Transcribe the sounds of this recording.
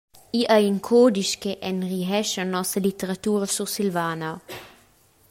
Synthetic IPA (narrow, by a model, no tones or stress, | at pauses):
iʔajiŋkʰoːd̪iʃkeʔɛnʁiɦɛʃanɔsəlit̪əɾat̪uːɾəsusilvaːna